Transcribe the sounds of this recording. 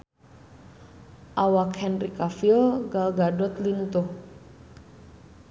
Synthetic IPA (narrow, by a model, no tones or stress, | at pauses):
ʔawakhɛnrikafilɡalɡadɔt̪lint̪uh